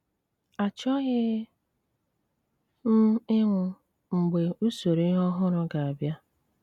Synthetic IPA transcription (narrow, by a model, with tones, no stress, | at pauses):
a˨t͡ʃɔ˦ɣɪ˦ | m̩˦ɪ˦ŋʷʊ˨ | ŋ͡m̩˨ɡ͡be˨u˦so˨ɾe˦ɦɔ˦ɦʊ˦ɾʊ˦ɡa˨a˨bja˦